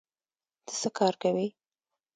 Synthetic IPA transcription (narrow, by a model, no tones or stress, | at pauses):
d̪̥ə̥səkɑɾkawi